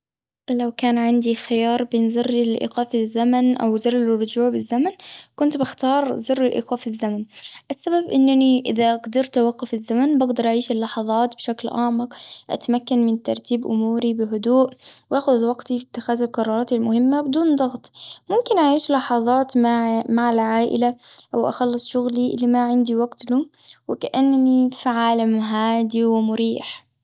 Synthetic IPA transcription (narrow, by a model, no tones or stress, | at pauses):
lawkaːnʕɪnd̪ixɪjɑːɾˤbeːnzɨrːɪlʔḭqɑːfɪzːamanʔa̰wzɨrˤːɪlrˤːʊd͡ʒuːʕbɪzːamankʊnt̪bɪxt̪ɑːɾˤzɨrˤːɪlʔḭːqɑːfɪzːamanʔasːababʔɪnːaniʔɪ̰ðaɡd̪ɪɾt̪waqːʊfɪzːamanbɪɡd̪ɑɾˤʔaʕiːʃɪlːɑħɑðˤɑːt̪bɪʃaklʔaːmɪqʔa̰t̪makːanmɪnt̪ɑ̰ɾˤt̪iːbʔʊ̰muːɾibɪɦʊd̪uːʔwʔaːxʊðwaɡt̪ifit̪ːɪxaːzalqɑɾˤːɑːɾˤɑːt̪almʊhɪmːabɪd̪uːnd̪ˤɑɣt̪ˤmʊmkɪnʔaʕiːʃlɑħɑðˤɑːt̪mamaʕalʕaːʔɪ̰laʔawʔa̰xɑlːɨsˤʃʊɣlilɪmaʕɪnd̪iwaɡt̪lʊ | wɪkaʔanːnifiʕaːlamɦaːd̪iwɪmʊɾiːħ